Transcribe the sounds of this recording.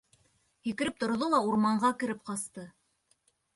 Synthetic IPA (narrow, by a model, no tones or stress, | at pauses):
jikɘ̆ɾɘp̚t̪ŏɾ̆ðolˠɑuɾmɑɴɢɑkɘ̆ɾɘp̚qɑst̪ɤ